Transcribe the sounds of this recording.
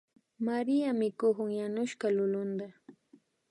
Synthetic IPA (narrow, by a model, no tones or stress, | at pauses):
maɾijamɪkʊhʊŋjanʊʃkalʊlʊnd̪a